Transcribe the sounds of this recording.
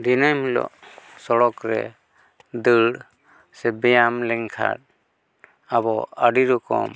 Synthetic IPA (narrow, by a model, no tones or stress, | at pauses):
d̪inajmilɔ̰ʔsɔɽɔkɾɛ̰ | d̪ɯɽ | sɛbɛjamlɛŋkʰa̰ɾ̚ | abɔaɖiɾukɔ̰m